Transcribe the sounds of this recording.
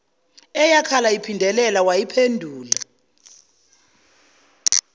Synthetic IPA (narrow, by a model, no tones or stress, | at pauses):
ɛjakʰalaipʰindʱɛlɛlawajipʰendʱuːla